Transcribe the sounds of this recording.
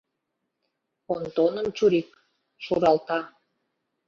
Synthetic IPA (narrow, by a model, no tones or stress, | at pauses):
ont̪onə̆mt͡ɕuɾik̚ | ʃuɾɑlt̪ɑ